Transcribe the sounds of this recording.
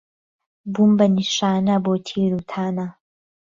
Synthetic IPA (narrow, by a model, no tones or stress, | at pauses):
bumbɐniʃaːnɐbot̪ʰiːɾut̪ʰana